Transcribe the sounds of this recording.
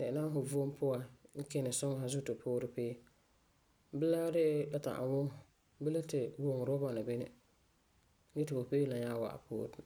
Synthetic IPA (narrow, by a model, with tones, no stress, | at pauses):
dɛ˨ɪ˨na˦ɦʊ˨vo˦m˦pʊ˦wa˨ŋ̩˦kɛ˦nɪ˨sʊ˦ŋ˨ɦa˨zʊ˦tɪ˨pʰʊː˦ɾɪ˦peː˦ | bɪ˦la˦ɾɪ˦ʔla˦ta̰˨ʔa̰˨wʊ˦ŋ˨ | bɪ˦la˦tɪ˨wo˦ŋ˨ɾɔ˦ba˨na˨bi˦nɪ̰˦ | ɡɛ˦tɪ˨bo˨peː˦la˨ɲaː˦wa̰˨ʔa̰˨pʊ̰ː˦ɾɪ˨